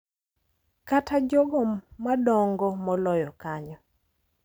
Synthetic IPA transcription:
katʰad͡ʒɔɡɔmadɔŋɡɔmɔlɔjɔkaɲɔ

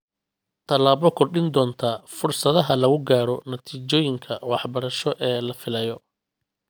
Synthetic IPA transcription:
t̪ʰɐlaːβɔkʰɔrɗɪnd̪ɔːnt̪ʰaːfʊrsɐðɐɦɐlɐɣʊɡaːɾɔnɐt̪ʰiːt͡ʃɔːjɪŋkʰɐwɑħbɐɾɐʃɔʔɛːlɐfɪlɐjɔ

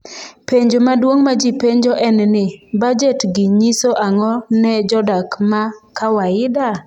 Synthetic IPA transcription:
peɲd͡ʒomadwoŋmad͡ʒipeɲd͡ʒoʔɛnnɪbad͡ʒɛtɡɪɲisoʔaŋɔnɛd͡ʒɔdakmakawaɪda

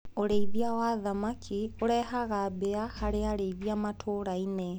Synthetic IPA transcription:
oɾeiβjawaðamakʰioɾɛhaɣabeahaɾeaɾeiβjamatʰoɾaine

